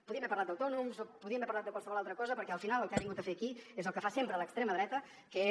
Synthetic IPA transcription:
puðiəmβɛɾpəɾlat̪əwt̪ɔnumzopuðiəmbɛpəɾlat̪əkwalˠsəβɔlalˠt̪ɾəkɔzəpəɾkɛəlˠfinalˠəlˠkaβiŋɡut̪əfeəkiezəlˠkəfasempɾələkst̪ɾeməðɾɛt̪ə | kə

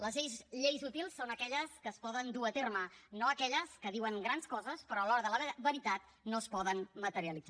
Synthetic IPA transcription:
ləzʎejzʎejzut̪ilˠsːonəkɛʎəskəːspɔðənd̪uət̪ermənoəkɛʎəskəðiwəŋɡɾanskɔzəspɾɔəlɔɾəðələββəɾit̪at̪ | noəspɔðənmət̪əɾiəlid͡za

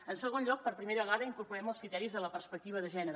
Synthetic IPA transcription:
ənsəɣonʎɔk̚pəɾpɾimeɾəβəɣaðəiŋkuɾpuɾɛməlˠskɾit̪ɛɾizðələpəɾspək̚t̪iβ̞əðəʒɛnəɾ

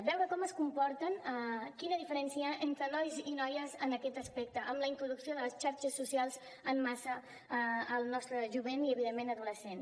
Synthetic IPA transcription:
bɛwɾəkɔməskumpɔɾt̪ənkinəðifəɾɛnsiəʔent̪ɾənɔjzinɔjəzənəkɛt̪əspɛk̚t̪əʔəmləint̪ɾuðuksioðələst͡ʃaɾt͡ʃəsːusialˠz | əmːasəː | lˠnɔst̪ɾəʒuβeniəβiðemːenəðuləsen

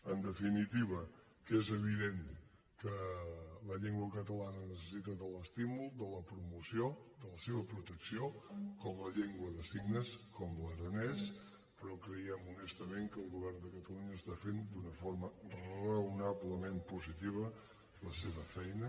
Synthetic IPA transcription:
ənd̪əfinit̪iβə | kezəβ̞iðen | kələʎeŋɡwəkət̪əlanənəsəsit̪əðələst̪imulˠd̪ələpɾumusiod̪ələseβəpɾut̪əksiokɔmləʎeŋɡwəðəsiɡnəskɔmləɾənɛs | pəɾɔkɾəiɛmunest̪əmeŋkəlˠɣuβɛrnd̪əkət̪əluɲəːst̪afend̪unəfoɾmərrəəɾəwnaβləmempuzit̪iβə | ləseβəfɛjnə

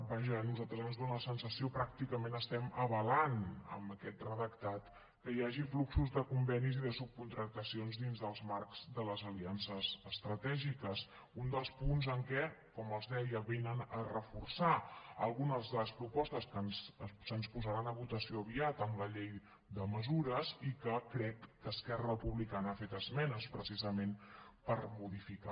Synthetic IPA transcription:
baʒənuzalˠt̪ɾəzənzðonəsənsəsiopɾak̚t̪ikəmẽnəst̪ɛməβəlanə̰mbəkɛt̪rəðəkt̪at̪ | kəjaʒifluksuzðəkumbɛniziðəsup̚kunt̪ɾək̚t̪əsionzðinzðəlˠzmarkz̥d̪ələzəliansəzəst̪ɾət̪ɛʒikəs | und̪əlˠspunzəŋkɛkɔməlˠzðɛjəβenənərəfursaəlˠɣunəzðələspɾupɔst̪əskənzsənspuzəɾanəβut̪əsioəβiat̪əmləʎej | d̪əməzuɾəzikəkɾɛkːəskɛrəəpuβlikanəafet̪əzmɛnəspɾəsizəmenpəɾmuðifika̰

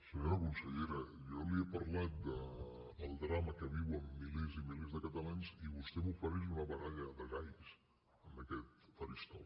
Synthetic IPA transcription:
səɲoɾəkunsəʎeɾə | jɔliəpɐɾlat̪̚d̪ə | əlˠd̪ɾaməkəβiwəmːilezimilezðəkət̪əlaɲziβust̪ɛmufəɾizunəβəɣaðəðəzajs | əmbəkɛt̪fəɾist̪ɔ̰

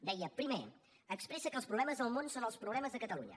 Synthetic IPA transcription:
d̪ɛjəpɾime | əkspɾɛsəkəlˠspɾuβlɛməzðəlˠmonsonəlˠspɾuβlɛməzðəkət̪əluɲə̰

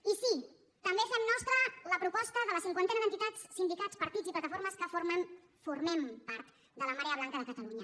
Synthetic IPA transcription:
isi | t̪əmbefɛmnɔst̪ɾələpɾupɔst̪əðələsiŋkwant̪ɛnəðənt̪it̪at͡ssind̪ikat͡spəɾt̪id͡ziplət̪əfoɾməskəfoɾmən | furmɛmpaɾt̪ | d̪ələmaɾeəβlaŋkəðəkət̪əluɲə

